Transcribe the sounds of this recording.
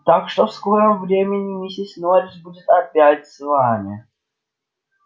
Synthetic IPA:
t̪akʂt̪ɔfskɔɾəmvɾʲemʲɪnʲɪmʲisʲɪsʲnɔɾʲɪsbudʲɪt̪ɐpʲjatʲsvamʲɪ

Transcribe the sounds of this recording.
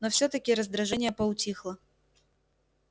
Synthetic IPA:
nofsʲot̪əkʲɪɾəzd̪ɾɐʐɛnʲɪjəpəʊtʲixlˠə

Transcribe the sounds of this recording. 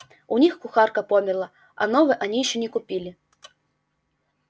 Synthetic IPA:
unʲixkuxarkɐpɔmʲɛrlˠɐ | ɐ̰nɔvɨʔɐnʲijɕːɛnʲɪkʊpʲilʲɪ

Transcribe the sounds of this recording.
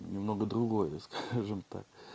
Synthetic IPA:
nʲɪmnoɡəd̪ɾʊɡojəskaʐɨmt̪a̰k̚

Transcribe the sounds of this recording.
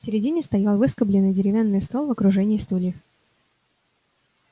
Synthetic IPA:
fsʲɪɾʲɪdʲinʲɪst̪ɐjalˠvɨskəblʲɪnːɨjdʲɪɾʲɪvʲanːɨjst̪o̞lˠvəkɾʊʐɛnʲɪist̪ulʲɪf

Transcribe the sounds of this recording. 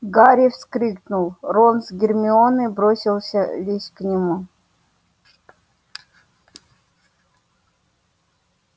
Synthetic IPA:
ɡaɾʲifskɾʲiknulˠɾonsɡʲɪrmʲɪonɨbɾosʲɪlˠsʲəlʲisʲknʲɪmu

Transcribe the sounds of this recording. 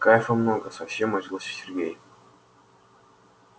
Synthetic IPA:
kajɪfəmnoɡəsɐfsʲemːɐʐʲilˠosʲsʲɪrɡʲḛj

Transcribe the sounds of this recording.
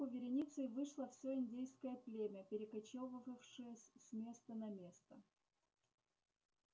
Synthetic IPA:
ʊvʲɪɾʲɪnʲit̪sɨjvɨʂlˠəfsʲoɪnʲdʲijskəjəplʲemʲəpʲɪɾʲɪkɐt͡ɕovəvəfʂɨjəsʲsʲmʲe̞st̪ənɐmʲe̞st̪ə

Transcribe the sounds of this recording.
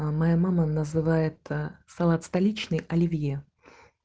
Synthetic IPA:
mɐjamamənəzɨvajɪt̪sɐlˠat̪st̪ɐlʲit͡ɕnɨjɐlʲɪvʲje

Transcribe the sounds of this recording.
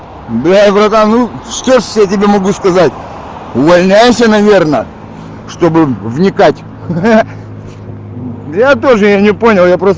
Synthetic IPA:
d̪ʲavɾɐt̪anuʂt̪orsjatʲɪbʲemɐɡuskɐzatʲ | ʊvɐlʲnʲæjɪsʲənɐvʲe̞rnə | ʂt̪o̞bɨvnʲɪkatʲ | jat̪o̞ʐɨjanʲɪpo̞nʲɪlˠjapɾos

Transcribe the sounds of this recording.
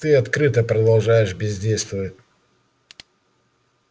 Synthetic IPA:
t̪ɨɐt̪kɾɨt̪əpɾəd̪ɐlˠʐajɪʂbʲɪzʲdʲejst̪vəvətʲ

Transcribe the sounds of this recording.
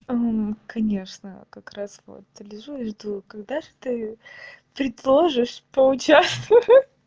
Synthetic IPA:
kɐnʲeʂnə̰kɐkɾasvo̰t̪lʲɪʐuʐd̪ukɐɡd̪aʐɨt̪ɨ | pɾʲɪd̪lˠoʐɨʂpəʊt͡ɕast̪ə

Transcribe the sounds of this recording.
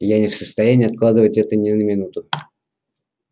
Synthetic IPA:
janʲɪfsəst̪ɐjænʲɪːɐt̪̚klˠad̪ɨvətʲɛt̪ənʲɪnəmʲɪnut̪ʊ

